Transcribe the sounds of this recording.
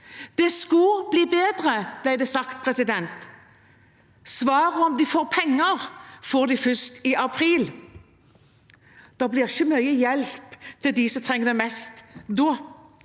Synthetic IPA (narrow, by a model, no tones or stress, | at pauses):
d̪̥ɛskʉbliːbeːd̪ɾəb̥læɪd̪ɛsɑkt̪̚pʰɾɛsɪd̪ɛnt̪ | sʋɑːɾəɔmd̪ɪfoːɾpʰɛŋːəʁfoːʁd̪ɪfʏst̪ɪʔɑpʰɾiːl | d̪̥ɑblɪːʁɪçəmœʏəjɛlpt̪ʰɪld̪ɪsɔmt̪ʰʁɛŋːəd̪ɛmɛst̪d̪oː